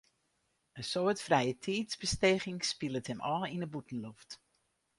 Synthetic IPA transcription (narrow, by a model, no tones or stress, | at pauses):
əsoətfrɛjətʰiːtzbəsteχɪŋspilˠəthəmʔɔːlinəbutən̩loft